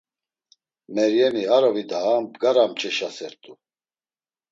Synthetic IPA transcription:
mɛɾjɛmiaɾɔvid̪aːmbɡaɾamt͡ʃʰʼɛʃasɛɾt̪ʼu

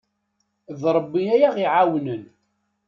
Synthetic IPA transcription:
ðɾˤbːiæjaʁiʕawnən

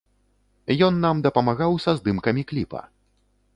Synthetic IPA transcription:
jɔnːamd̪ɐpɐmaɣawsɐzd̪ɨmkɐmʲiklʲipɐ̰

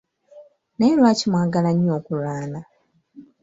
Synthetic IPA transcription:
nelwaːcimwaːɡalaɲo̞ːkuɾaːna

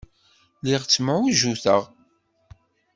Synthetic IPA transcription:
liʁt͡sːməʕuʒuθə̰ʁ

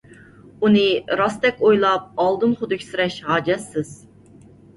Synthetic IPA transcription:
unɨɾɑst̪ɛkʲojlˠɑp̚ɑlˠd̪ɨmχʊd̪ɨkʲʰsɾɛʃɦɑːd͡ʒɛsːɪz̥

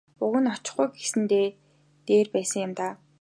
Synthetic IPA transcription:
ʊɣə̆nɔt͡ɕɪ̆χɡujɡesɘ̆nt̪eː | t̪eːrpæːsə̆ŋjʊ̆mt̪aː

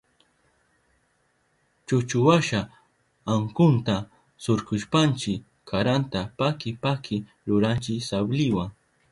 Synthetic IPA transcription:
t͡ʃʊt͡ʃʊwaʃaː | ŋkʊnt̪a | sʊɾkʊʃpant͡ʃɪ | aɾant̪apakɪpakʰɪ | ɾʊɾant͡ʃɪsablɪwaŋ

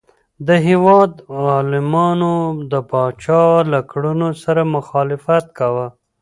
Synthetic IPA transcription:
d̪əɦewɑd̪ɑlɪmɑnod̪əpɑt͡ʃɑlakɽunosaɾamʊxɑlɪfat̪̚kawə

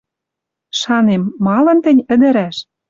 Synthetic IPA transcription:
ʃɑnemːɑlɤ̆nt̪ɘ̆nʲə̆d̪ə̆ɾæʃ

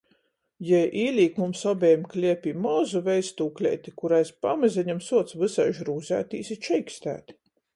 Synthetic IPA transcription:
jɛjʔiːlʲiːkmumsɔbʲɛjmklʲiɛpʲiːmɔzuvʲɛjst̪uːklʲɛ̰jt̪ʲikuɾajspamazʲɛɲamsuɔt̪svɨsajʒɾuːzʲæ̰ːt̪ḭːsit͡ʃɛjkst̪æ̰ːt̪

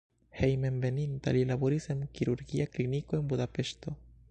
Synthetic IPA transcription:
he̞jme̞nbe̞nint̪a̰lilaboɾisemkiɾuɾɡiakliniko̞e̞nbud̪ape̞ʃt̪o̞

